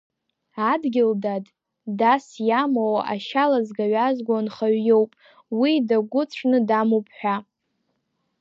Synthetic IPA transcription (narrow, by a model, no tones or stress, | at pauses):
adɡʲɪldadʼ | dasjamowaʔaʃalazɡaɥʷazɡʷanχaɥjo̞wpʼ | widaɡʷʊt͡sʷʰnɨdamupʰʼħʷᶣa